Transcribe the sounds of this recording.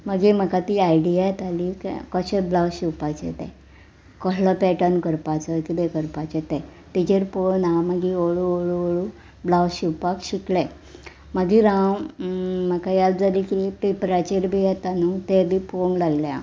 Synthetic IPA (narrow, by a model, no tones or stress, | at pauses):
məɡim̤əkat̪iajɖiajet̪alikkəɕeblawɕiwpat͡sḛt̪ɛ̰̃ | kɔɦləpɛʈənkəɾpat͡səkid̪ekəɾpat͡ɕet̪ɛt̪it͡ɕeɾponaməɡioɭuoɭuoɭu | blawɕiwpakɕikle | məɡiɾãw | məkajald͡zəɾikit̪epɾat͡ɕeɾbʱijɛt̪anut̪ed̪ifonlaɡljã̰